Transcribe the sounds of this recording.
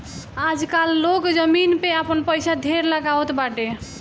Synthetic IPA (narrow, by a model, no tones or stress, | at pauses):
ad͡ʒkalːokd͡ʒəminpeapənpəjsad̪ʱeɾləɡawt̪baʈe